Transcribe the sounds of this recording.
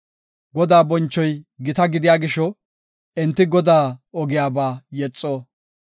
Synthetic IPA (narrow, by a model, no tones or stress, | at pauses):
ɡɔd̪aːbɔnt͡ʃːɔjɡɪt̪ɐɡɪd̪ɪjaːɡɪʃɔ | ɛnt̪ːɪɡɔd̪aːɔɡɪjaːbaːjɛt͡sʼːoː